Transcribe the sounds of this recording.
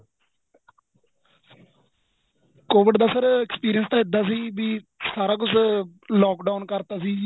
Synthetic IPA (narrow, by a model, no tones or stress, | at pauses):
koːʋɪɖd̪aːsəɾɛkspiːɾijənst̪ãːɪd̪aːs̬iːbiːsaːɾaːkʊt͡ʃʰlɔːkɖaːnkəɾt̪aːsiː